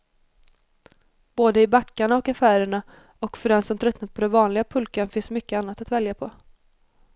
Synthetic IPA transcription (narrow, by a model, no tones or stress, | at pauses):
b̥oːd̪əɪbakːaɳaɔkafæːɾəɳa | ɔkfœɖɛnsɔmt̪ʰɾœt̪nat̪̚pʰɔd̪ɛnvɑːnlɪɡapʰɵlkanfɪnsmʏkːəanːat̪at̪vɛljapʰɔ